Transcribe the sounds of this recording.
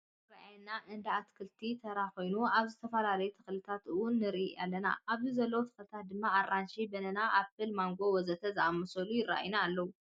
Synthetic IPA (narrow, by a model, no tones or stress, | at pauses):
raʔjnaʔɨnd̪ɐat̪kʰɨlt̪ʰit̪ʰɐɾako̞jnuaβzɨt̪ʰɐfɐlalɐjut̪ʰɨxlɨt̪ʰat̪ɨwʊnːɨɾia̰lːɐna̰aβzizɐlːɐwot̪ʰɨ̥xɨlɨt̪ʰat̪̚d̪ɨmːaːrːanʃibɐnɐnaʔafɨlmaŋɡo̞wɔzɐt̪ʰɐzɨʔamːɐsɐlujɪrːa̰ʔjnaːlːɐwu